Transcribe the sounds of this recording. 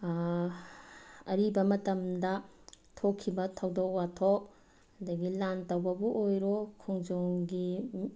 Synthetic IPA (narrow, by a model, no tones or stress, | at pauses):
ɐɾibɐmɐtɐmdɐ | tʰokʰːibɐtʰɐwdok̚watʰok̚ | ɐdɐɡilantɐwbɐbuʔojɾokʰuŋd͡ʒoŋɡi